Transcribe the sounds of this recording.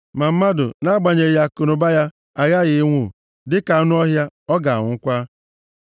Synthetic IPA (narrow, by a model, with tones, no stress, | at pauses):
ma˨m̩˦ma˦dʊ̰˨na˦ɡ͡ba˨ɲe˨ja˦kʊ˨nʊ˨ba˦ja˦ | a˨ɣa˦˨ɣɪ˨˦ŋʷu˨ | dɪ˦ka˨˦nʊ˦ɔ˦ɦja˦ɔ˦ɡa˨ŋʊ˨ŋ̩˦kʷa˦